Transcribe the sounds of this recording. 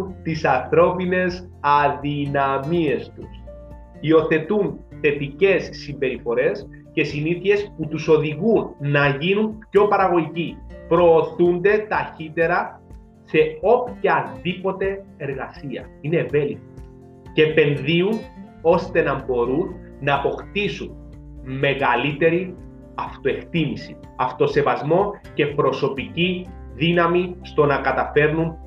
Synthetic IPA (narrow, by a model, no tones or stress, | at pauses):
t̪isɐnθɾo̞pine̞s | ɐðinɐmie̞st̪us | io̞θe̞t̪unθe̞t̪ice̞sːimbe̞ɾifo̞ɾe̞s | ce̞siniθie̞sput̪uso̞ðiɣunːɐʝinunpço̞pɐɾɐɣo̞ʝicipɾo̞ːθund̪e̞t̪ɐçit̪e̞ɾɐ | se̞o̞pçɐðipo̞t̪e̞eɾɣɐsiɐ̰ineːve̞likt̪i̥ | ce̞pe̞nðiun | o̞st̪e̞nɐmbo̞ɾunː | ɐːpo̞kt̪isun | me̞ɣɐlit̪e̞ɾi | ɐft̪o̞e̞kt̪imisi̥ | ɐft̪o̞se̞vɐzmo̞ce̞pɾo̞so̞pici | ðinɐmist̪o̞nɐkɐt̪ɐfe̞ɾnun